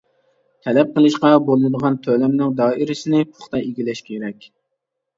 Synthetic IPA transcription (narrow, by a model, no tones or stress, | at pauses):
t̪ʰɛlɛp̚qʰəlˠɨʃqɑbolˠɨd̪əʁɑnt̪ʰølɛmnɪŋd̪ɑːɪɾɪsɪnɪpʰʊ̥χt̪ɑeɡʲilɛʃkʲʰeɾɛkʲ